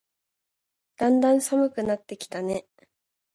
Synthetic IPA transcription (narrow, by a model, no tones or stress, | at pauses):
d̪̥ãnd̪ãɰ̃samɯ̟kɯ̟nat̪ːe̞kʲi̥t̪ane̞